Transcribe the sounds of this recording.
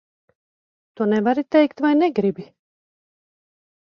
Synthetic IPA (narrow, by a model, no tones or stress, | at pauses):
t̪uɔnɛvaɾit̪ɛjkt̪vajnɛɡɾibi